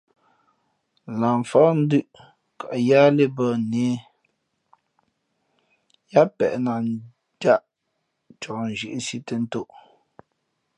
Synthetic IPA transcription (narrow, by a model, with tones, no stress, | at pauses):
la˨ɱ˨fɔ˦n̩˦dʉ˦ʔ | ka˨ʔjaː˦le˦bə˦ne˨˦ | ja˦pɛ̰˨ʔna˨˦ | da˦ʔ | t͡ʃɔ˨n̩˨ʒi˨ʔsi˦tə˦n̩˦to˦ʔ